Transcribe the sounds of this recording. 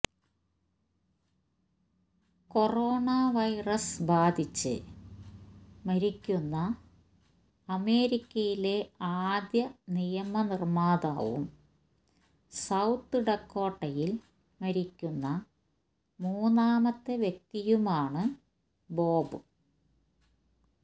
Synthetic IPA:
ko̞roːɳaʋɐjrɐsbaːd̪ʱit͡ɕːɨ̰ | mɐɾikʲːunːɐ | ɐme̞ːɾikʲːɐjile̞aːd̪jɐnijɐmɐnirmaːd̪aːʋṵm | sɐwt̪ːɨɽɐkːo̞ːʈːɐjil | mɐɾikʲːunːɐ | muːnaːmɐt̪ːeʋjek̚t̪ijumaːɳɨ | bo̞ːbɨ

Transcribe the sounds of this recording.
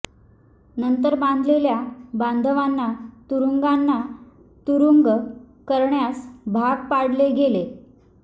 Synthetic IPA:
nənt̪əɾband̪ʱleljaband̪ʱəʋanːat̪uɾuŋɡanːa | t̪uɾuŋɡ | kəɾɳjasbʱaɡpaɽleɡele

